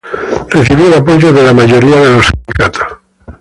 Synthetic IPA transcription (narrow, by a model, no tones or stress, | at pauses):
reθiβiolapoʒoðelamaʒoɾiaðelossind̪ikat̪ʰo̥s